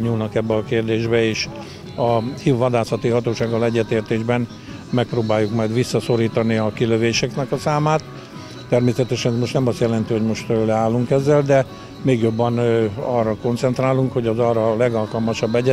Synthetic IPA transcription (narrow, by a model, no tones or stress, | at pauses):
ɲuːlnɒkɛbːɛɒkeːrd̪eːʒbɛeːʃ | ɒhivːɒd̪aːsɒt̪iɦɒt̪oːʃaːɡːɒlɛɟːɛt̪eːrt̪eːʒbɛn | mɛk̚proːbaːjːukmɒjd̪ʋisːɒso̞ɾiːt̪ɒniɒkiløveːʃɛknɛkɒsaːmaːt̪ː | ɛrmeːsɛt̪ɛʃɛnɛzmo̞ʃt̪nɛmɒst̪jɛlɛnt̪iho̞ɟmo̞ʃt̪ølɛaːlːuŋkɛzːɛld̪ɛ | meːɡjo̞bːɛnɒrːɒko̞nt̪sɛnt̪raːluŋkho̞ɟɒzɒːrɒlɛɡɒlkɒlmɒʃɒbːɛɟɛ